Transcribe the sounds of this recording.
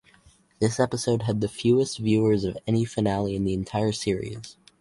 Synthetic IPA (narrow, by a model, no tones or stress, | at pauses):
ðɪsɛpəsoʊd̚ɨd̪̚ðɨfjʉɨstvjʉə˞zʌvɛñifɨnælˠiɨ̃nðiɨ̃ntʰaɪə˞sɪɹḭz̥